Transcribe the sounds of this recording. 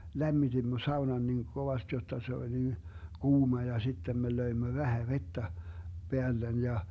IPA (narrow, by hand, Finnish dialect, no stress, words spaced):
læmːitimːø sɑunɑn niŋ koʋɑst jotːɑ se olʲ nin kuːmɑ jɑ sitːem me løimːø ʋæhæ ʋetːæ peælːen jɑ